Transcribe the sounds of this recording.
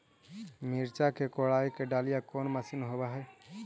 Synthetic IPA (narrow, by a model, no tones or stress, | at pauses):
miɾt͡ʃakekoɽajkeɖalijakonməsinɦobaɦɛː